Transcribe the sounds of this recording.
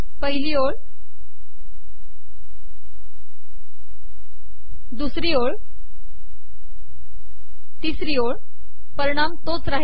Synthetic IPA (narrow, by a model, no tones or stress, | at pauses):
pəɦilioɭ | d̪usɾiːoɭ | t̪isɾioɭ | pəɾiɽ̃amt̪ot͡sɾaɦ